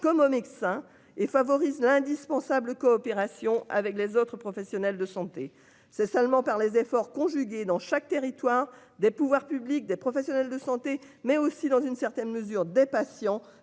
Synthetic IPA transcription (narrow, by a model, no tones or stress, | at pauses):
kɔmomet̪sɛ̃ | efavɔʁizlɛ̃d̪ispɑ̃sabləkɔːpeʁasjɔ̃a̰vɛklezot̪χəpχɔfɛsjɔnɛld̪əsɑ̃t̪e | sɛsœlmɑ̃paʁlezefɔʁkɔ̃ʒyɡʲed̪ɑ̃ʃak̚t̪eʁit̪waʁ | d̪epuvwaʁpyblik̚d̪epχɔfɛsjɔnɛld̪əsɑ̃t̪e | mɛosid̪ɑ̃zynsɛʁt̪ɛnməzyʁd̪epasjɑ̃